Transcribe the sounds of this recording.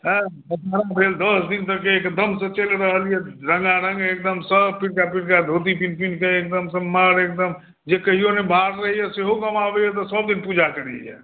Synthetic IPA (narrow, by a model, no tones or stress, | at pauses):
ɦɛ̃bət̪əɾabʱeld̪əsd̪int̪əkeːkd̪əmsə̃t͡ʃelɾəɦəlijɛɾəŋɡaɾəŋɡek̚d̪əmsəbpiɾkapiɾkad̪ʱot̪̬ipinpinkeek̚d̪əmsəmːaɾek̚d̪əm | d͡ʒekəɦijonebʱaɾɾəɦijɛseɦokəmabejɛt̪̬ɔsəb̚d̪inpud͡ʒakəɾɛ̰ljɛ̰